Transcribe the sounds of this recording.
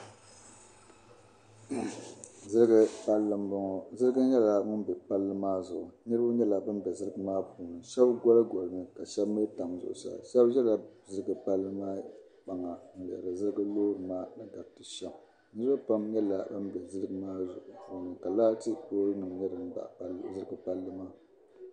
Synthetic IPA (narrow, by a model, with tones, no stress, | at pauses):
zɨ˦ɾɨ˦ɡɨ˦pa˦lːɨ˦mbɔ˨ŋɔ˨zɨ˦ɾɨ˦ɡɨ˦ɲɛ˦la˨ŋɨ˦m˦bɛ˨pa˦lːɨ˦maː˦zʊ˨ʔʊ˨ɲɨ˦ɾa˦ɲɛ˦la˨bɨ˦nbɛ˨zɨ˦ɾɨ˦ɡɨ˦maː˦puː˨nɨ˨ʃɛ˦bɡɔ˦lɨ˦ɡɔ˨lɨ˨nɨ˨ka˨ʃɛ˦bmɨ˦ta˨mzʊ̰˨ʔʊ˨sa̰˨ʃɛ˦bʒɛ˦la˨zɨ˦ɾɨ˦ɡɨ˨pa˦lːɨ˦maː˦ | k͡pa˨ŋa˨n̩˨˦bɛ˨ɾɨ˨zɨ˦ɾɨ˦ɡɨ˦loː˦ɾɨ˨maː˦nɨ˦ɡa˨b̚tɨ˨ʃɛ˨m˨ | nɨ˦ɾɨ˦ba˦pa˦mɲɛ˦la˨bɨ˦nbɛ˨zɨ˦ɾɨ˦ɡɨ˦maː˦zʊ̰˨ʔʊ˨pu˨nɨ˨ka˨laː˦tɨ˦toː˦ɾɨ˦nɨ˨ŋ˨ɲɛ˦ɾɨ˦m˦ba̰˨ʔzɨ˦ɾɨ˦ɡɨ˦pa˦lːɨ˦maː˦